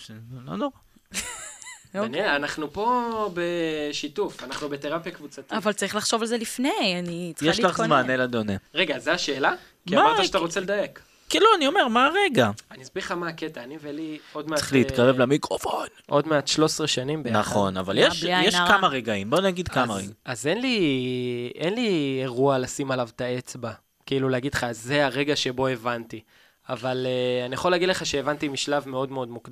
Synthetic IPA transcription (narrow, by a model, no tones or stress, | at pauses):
ʃelo̰noʁa | nianaχnupo̞beʃit̪ufanaχnubeteʁapjakvut͡sat̪iavalt͡saʁiχlaχʃo̞valzelifnejanit͡sjeʃlaχzmanelad̪o̞neʁeɡazeaʃeːla | miaamaaʁaʃat̪aʁo̞t͡seled̪aek | kiluanio̞me̞ʁmaʁe̞ɡaaniazbiʁχamaːket̪aːnivelio̞d̪meḁliːt̪kaʁevlamikʁofonʔo̞d̪meat̪ʃlo̞sʁeʃanimbenaχo̞na̰valjeʃjeʃkamaʁeɡaimbo̞naɡid̪kamaeaze̞nli | e̞nlieʁualasimalavt̪ae̞t͡sba | kiiːluleaɡid̪lχazːeaʁe̞ɡaʃe̞bo̞e̞vant̪i | avaleanijaχolːeaɡid̪leχaʃeevant̪imiʃlavme̞o̞d̪meo̞d̪mukd̪